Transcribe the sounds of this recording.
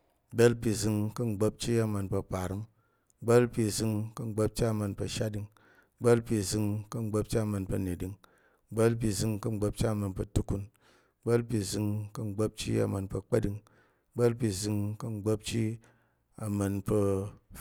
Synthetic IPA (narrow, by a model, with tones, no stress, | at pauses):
ɡ͡be˦lpi˧zɨ˧ŋkɐ˧ŋ͡mɡ͡bo˦p̚t͡ʃi˦a˧ma˧npɐ˧pa˨ɾɨ˦m˦ | ɡ͡ba˦lpi˧zɨ˧ŋkɐ˦˧ŋ͡mɡ͡bo˦p̚t͡ʃi˦a˧mɐ˧npɐ˧ʃa˦di˧ŋ˦ | ɡ͡be˦lpi˧zɨ˧ŋkɐ˦ŋ͡mɡ͡bo˦p̚t͡ʃi˦a˧˨mɐ˧npɐ˧ne˨di˧ŋ˦ | ɡ͡ba˦lpi˧zɨ˧ŋkɐ˦ŋ͡m̩˦ɡ͡bo˦p̚t͡ʃi˦a˨mɐ˧npɐ˧tu˦ku˦˧n˦ | ɡ͡be˦lpi˧zɨ˧ŋkɐ˦ŋ͡mɡ͡bo˦p̚t͡ʃḭ˦a˨ma˧npɐ˧k͡pɐ˦di˧ŋ˦ | ɡ͡be˦lp̬i˧zɨ˧ŋkɐ˦ŋ͡m̩˦ɡ͡bo˦p̚t͡ʃi˦ | a˨mɐ˧npə˧